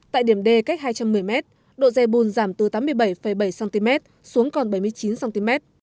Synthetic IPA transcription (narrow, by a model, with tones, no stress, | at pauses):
t̪a̰ː˧˨jɗi˧˩əmɗe˧ka˦˥k̚haː˧jt͡ɕa˧mːɨ˨˩əjmɛ˦˥t̚ | ɗo̰˧˨zɛ˧jɓu˧˩nzaː˧˩mt̪ɨ˨˩t̪aː˨˦mːɨ˧əjɓə˧˩jfə˧˩jɓə˧˩jsaː˧nt̪i˧mɛ˦˥t̚ | su˨˦əŋkɔ˨˩nɓə˧˩jmɨ˧əjt͡ɕi˨˦nsaː˧nt̪i˧mɛ˦˥t̚